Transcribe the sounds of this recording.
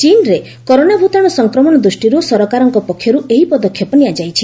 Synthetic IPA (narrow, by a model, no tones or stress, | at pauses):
t͡ʃinɾe | kɔɾonabʱut̪ɔɽ̃ɔsɔŋkɾɔmɔɽ̃ɔd̪ɾusʈiɾusɔɾɔkaɾɔŋkɔpɔkʰjɔɾueɦipɔd̪ɔkʰːjɔpɔniad͡ʒajt͡ʃʰi